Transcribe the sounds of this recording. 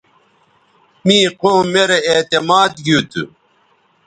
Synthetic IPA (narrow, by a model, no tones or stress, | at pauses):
miːqoːmːeɾeet̪emaːd̪ɡut̪ʰṵ